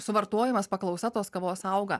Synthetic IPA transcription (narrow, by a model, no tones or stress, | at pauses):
sʊʋɐɾt̪oɔjɪmɐspɐklˠɐʊsɐt̪oːskɐʋoːsɐʊɡɐ